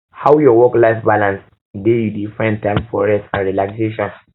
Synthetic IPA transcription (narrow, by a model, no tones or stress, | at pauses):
hawjɔwɔklaɪfbalãns | dejudifãɪ̃ntãɪ̃mfɔɹɛstãnɹilakseʃɔ̃n